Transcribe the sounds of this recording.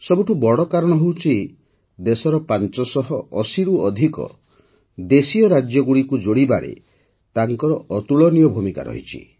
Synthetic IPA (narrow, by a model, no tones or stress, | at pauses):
sɔbuʈʰubɔɽɔkaɾɔɽ̃ɔɦewt͡ʃʰi | d̪esɔɾɔpant͡ʃɔsɔɦɔɔsiɾuɔd̪ʱikɔ̰ | d̪esiɔɾad͡ʒjɔɡuɽikud͡ʒoɽibaɾḛ | t̪aŋkɔɾɔʔɔt̪uɭɔnijɔbʱumika̰ɾɔ̰ɦḭt͡ʃʰḭ